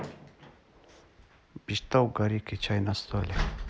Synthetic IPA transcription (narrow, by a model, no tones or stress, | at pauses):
biʃt̪awɡaɾikit͡ɕajnast̪ole